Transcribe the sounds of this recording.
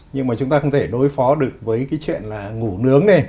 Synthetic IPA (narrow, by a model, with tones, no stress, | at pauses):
ɲɨ˧ŋmaː˨˩t͡ɕʊ˨˦ŋ͡mt̪aː˧xə˧wŋ͡mt̪ʰe˧˩ɗo˨˦jfɔ˨˦ɗɨ˨˩ək̚vəː˨˦jkaː˨˦jt͡ɕwḭ˧˨ənlaː˨˩ŋu˧˩nɨ˨˦əŋɗe˧˩